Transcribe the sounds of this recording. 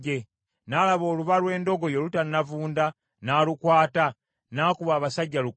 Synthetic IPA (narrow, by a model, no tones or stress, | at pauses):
e | naːlaβo̞ːluβalwe̞ːndo̞ɡo̞jelutanavuːnda | naːlukwaːta | naːkuβaːβasaɟːalu